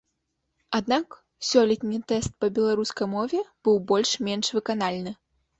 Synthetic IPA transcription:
ad̪nak | sʲɔlʲɛt̪ʲnʲit̪ɛst̪̚pɐbʲɛlˠaɾuskɐjmɔvʲɛb̥ɨwbɔlʲʂmʲɛnʂvɨkan̪alʲnɨ

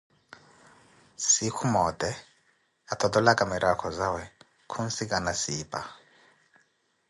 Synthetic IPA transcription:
sikʰumɔt̪ʼɛ | at̪ʰɔt̪ɔlakʼamiɾʔakʰɔzawɛ | kʰunsikʼanasiːpʼa̰

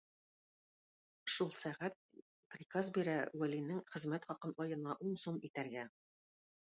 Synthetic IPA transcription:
ʃulˠsæʁæt̪̚ | prʲikazbiɾæwælinɘŋχɘ̆zmæt̪χɒqɤnʔɒjɤ̆nɑʔuɴsomit̪æɾɡæ

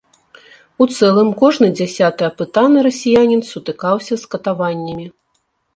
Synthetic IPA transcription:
ut̪sɛlˠɨmkɔʐnɨd͡zʲasʲat̪ɨɐpɨt̪anɨɾɐsʲijanʲinsut̪ɨkawsʲɐskɐt̪avanʲːɐmʲi

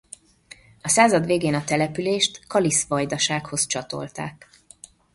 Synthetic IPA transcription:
ɒsaːzɒd̪ʋeːɡeːnɒt̪ɛlɛpyleːʃt̪kɒlisʋɒjd̪ɒʃaːkho̞zt͡ʃɒt̪o̞̰lt̪a̰ːk

